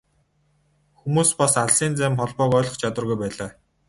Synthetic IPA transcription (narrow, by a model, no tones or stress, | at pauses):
xumuːspɔsaɮsiːnt͡sæːmχɔɮpɔːkœːɮɞ̆χt͡ɕʰat̪wə̆rɣujpæːɮaː